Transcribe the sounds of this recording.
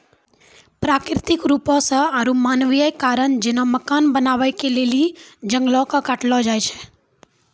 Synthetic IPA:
pɾakɾɪt̪ɪkɾupõsəaɾũmanʋijəjkaɾəɳd͡ʒenoməkanbənaʋajkelelid͡ʒəŋɡlokəkaʈlod͡ʒajt͡ʃʰe̥

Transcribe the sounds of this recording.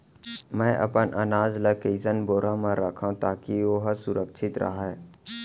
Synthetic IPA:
mɛ̃ːʔɐ̰pənʔənaːd͡ʒləkiːzənboːɾãmãɾəkʰãt̪aːkioɦsʊɾəkʃʰɪt̪ɾɐ̰ɦaɛː

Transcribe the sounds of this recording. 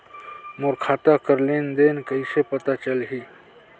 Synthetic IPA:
mʊɾkʰaːt̪akəɾleːnd̪eːnkəisepɐt̪at͡ʃəlɦiː

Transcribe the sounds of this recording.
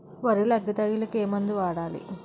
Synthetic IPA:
ʋɐɾulɐɡːɐt̪ɐjilɐkeːmɐnd̪uʋaːɽaːlḭ

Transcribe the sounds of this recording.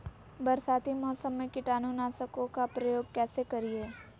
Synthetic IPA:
bɐɾsaːt̪ʰimɔːsəmːẽkɪʈaːnunaːsəkõkapɾɐjoːɡ̚kɛːsekɐɾieː

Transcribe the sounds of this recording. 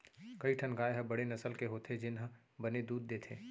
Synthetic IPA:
kɐiʈʰənɡaːeɦɐbɐɽenɐsəlkeɦoːt̪ʰed͡ʒɪnɦə̃ | bɐned̪uːd̪̚ːeːt̪ʰḛː

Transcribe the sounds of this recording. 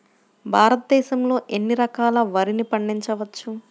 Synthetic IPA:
bʱaːɾɐt̪̚d̪ɛːʃɐmlo̞ːʔenːiɾɐkaːlɐʋɐɾinipɐɳɖiɲt͡ʃɐʋɐt͡ʃːu

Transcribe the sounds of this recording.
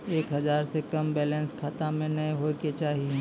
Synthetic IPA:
eːkɦɐzaːɾsekɐmbɛːlɛ̃nskʰaːt̪amẽnɐĩɦoːket͡ʃaːɦie

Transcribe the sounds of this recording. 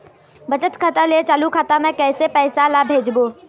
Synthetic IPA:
bət͡ʃət̪kʰət̪əlet͡ʃaːlukʰaːt̪amɛ̃kɛːsepɛːsalabʱeːd͡ʒboː

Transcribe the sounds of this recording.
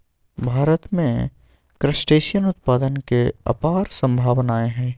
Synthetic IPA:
bʱaːɾət̪mḛ̃ | kɾəsʈeːʃijənʊt̪̚paːd̪ənkeɐ̰paːɾsɐ̃mbʱaːʋnaːeɦɛ̃ː

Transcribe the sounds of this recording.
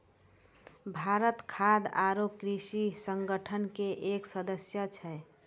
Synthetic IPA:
bʱaɾət̪kʰad̪aɾop̚kɾisisəŋɡəʈʰənkeʔeksəd̪əsjət͡ʃʰɛ

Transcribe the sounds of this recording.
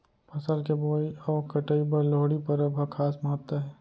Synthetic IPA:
pʰɐsəlkeboːiɔːɾkɐʈəipɐɾloːɽipɐɾəbʱɐkʰaːsməɦət̪wəɦɛː

